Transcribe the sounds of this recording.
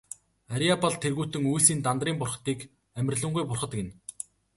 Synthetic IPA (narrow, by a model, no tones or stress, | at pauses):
aɾʲiapaɮt̪ʰerɣuːt̪ɘ̆ŋujsiːnt̪ant̪riːmpʊrχ̆t̪iːk | æmʲɪ̆rʲɮə̆ɴɢujpʊrχə̆t̪kɪ̆n